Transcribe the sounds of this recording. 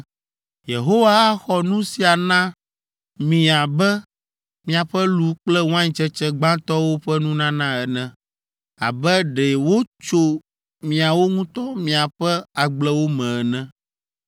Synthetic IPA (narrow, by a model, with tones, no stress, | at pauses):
je˨ɦo˦wa˦a˦xɔ˨nũ˦si˦a˨nã˦ | mĩ˨a˨bɛ˦ | mĩ˨a˨ɸɛ˦lu˦k͡plɛ˦w̃ã˦ɲĩ˨t͡ʃɛ˦t͡ʃɛ˦ɡ͡bã˦t̪ɔ˦wo˦ɸɛ˦nũ˦nã˦nã˦ɛ˨nɛ̃˨ | a̰˨bɛ˦ɖɛ˨wo˦t͡ʃo˦ | mĩ˨a˨wo˦ŋũ˦t̪ɔ˦mĩ˨a˨ɸɛ˦a˨ɡ͡blɛ˦wo˦mɛ̃˨ɛ˨nɛ̃˦